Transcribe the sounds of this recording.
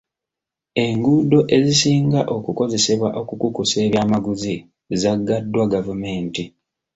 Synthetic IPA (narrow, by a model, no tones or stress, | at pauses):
e̞ŋɡudo̞ʔe̞zisiːŋɡaʔo̞kuko̞ze̞seβwaʔo̞kukukuse̞ːβjaːmaɡuzi | zaɡːadːwaɡavume̞ːnti